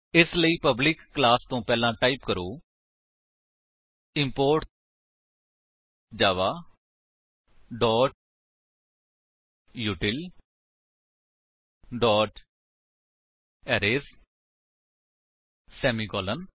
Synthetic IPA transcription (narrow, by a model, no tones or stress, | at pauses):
ɪsləiːpəblɪkːlaːst̪õːpɛːlãːʈaːiːpkəɾoː | ɪmpoːɾʈ | d͡ʒaːʋaː | ɖɔːʈ̚ | juːʈɪl | ɖɔːʈ | ɛːɾeːs | sɛːmiːkɔːlən